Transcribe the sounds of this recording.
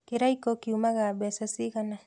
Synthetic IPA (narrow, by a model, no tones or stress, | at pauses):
keɾajkokiumaɣabesasiɣana